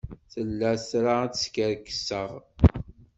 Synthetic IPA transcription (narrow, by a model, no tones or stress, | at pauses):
θəlːæsɾat͡sskəɾkə̥sːəʁ